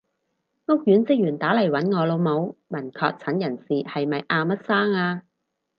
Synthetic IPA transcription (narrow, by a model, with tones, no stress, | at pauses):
ŋʊ˥k̚jyː˨˥nt͡sɪ˥k̚jyː˨˩nt̪aː˨˥lɐ˨˩jwɐ˨˥nŋɔː˨˧lo˨˧wmo˨˧wmɐ˨˩nkʰɔ̰ː˧k̚t͡sʰɐ˨˥njɐ˨˩nsiː˨hɐ˨jmɐ˨jʔaː˧mɐ˥t̚saː˥ŋaː˧